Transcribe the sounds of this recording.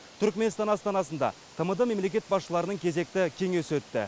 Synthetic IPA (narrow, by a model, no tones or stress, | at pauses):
t̪ʰʏɾkme̞nst̪ɑnɑst̪ɑnɑsənd̪ɑ̰ | t̪ʰəməd̪əme̞mlekʲe̞t̪̚bɑsʃəlˠɑɾənəŋkʲʰe̞ze̞k̚t̪ɪkʲʰe̞ŋesɪwɵt̪ːɪ̰